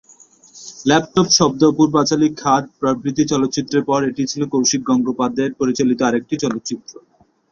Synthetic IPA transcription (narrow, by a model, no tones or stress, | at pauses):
lɛp̚ʈopʃɔb̚d̪opuɾbat͡ɕalikʰːaʈpɾobʱɾit̪ːit͡ɕɔlot̪ːt͡ɕit̪ːɾeɾpɔɾeʈit͡ɕʰilokowʃik̚ɡɔŋɡopad̪eɾpoɾit͡ɕalit̪oaɾek̚ʈit͡ɕɔlot̪ːt͡ɕit̪ːɾo